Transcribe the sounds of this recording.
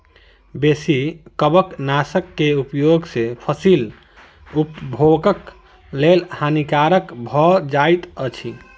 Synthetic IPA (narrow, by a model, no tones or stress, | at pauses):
besikəbəknasəkːeupjoɡsepʰəsil | upbʱoɡək | lelhanikaɾəkbʱɔd͡ʒajt̪ət͡ʃʰi